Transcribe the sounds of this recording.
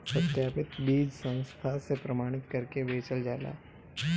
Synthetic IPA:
pɐt̪jaːpɪt̪biːd͡ʒsə̃ñst̪ʰasepɾɐmaːɽ̃ɪt̪kɐɾkeʋeːt͡ʃəld͡ʒaːla̰ː

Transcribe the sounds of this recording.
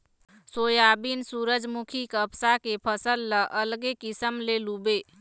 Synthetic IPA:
sojabinsuɾəd͡ʒmukʰikəbsakepʰəsəlːəʔəlɡekisəmlelube

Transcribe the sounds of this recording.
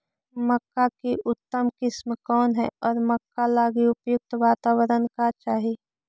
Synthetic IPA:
məkːakeʔʊt̪ːəmkɪsmkɔːnɦɛ̰ɔːɾməkːalaːɡiʊpjʊk̚t̪ʋaːt̪aːwəɾənkat͡ʃaːɦieː

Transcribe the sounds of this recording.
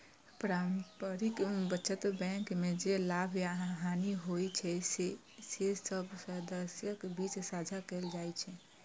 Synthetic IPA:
pɾampəɾikbətːt͡ʃət̪bɛ̃kmed͡ʒelabʱjaɦaniɦojt͡ʃʰɛse | sesəbsəd̪əsjəkbit͡ʃsad͡ʒʱakeld͡ʒajt͡ʃʰɛ

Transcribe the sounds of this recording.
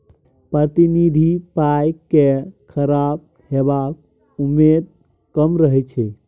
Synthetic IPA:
pɾət̪inid̪ʱipajkːekʰəɾab̚ | hebak̚ | umed̪̚ | kəmɾəɦɛt͡ʃʰɛ

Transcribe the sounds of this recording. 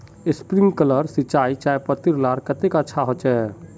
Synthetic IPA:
espɾiŋɡkələɾsit͡ʃait͡ʃajpət̪iɾlaɾkət̪ekətːʃʰaɦot͡ʃɛ

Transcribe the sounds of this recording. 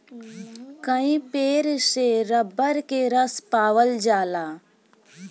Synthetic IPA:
kəĩpeːɾseɾəbːəɾkeɾəspaːʋəld͡ʒaːlaː

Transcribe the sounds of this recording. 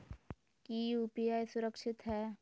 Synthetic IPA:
kijuːpijaːjsʊɾəkʃɪt̪ɦɛː

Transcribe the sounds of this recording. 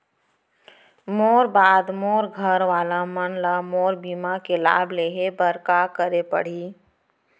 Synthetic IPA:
moːɾbaːd̪moːɾɡʱəɾʋaːlamənlamoːɾbiːmakela̰ːbleːɦebəɾkakəɾepə̰ɽ̤iː

